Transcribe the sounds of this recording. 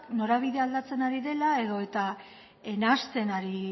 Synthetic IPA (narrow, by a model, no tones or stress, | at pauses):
kno̞ɾaβ̞iðe̞ald̪at͡se̞naɾiðe̞lae̞ðo̞e̞t̪a | e̞nast̪e̞naɾi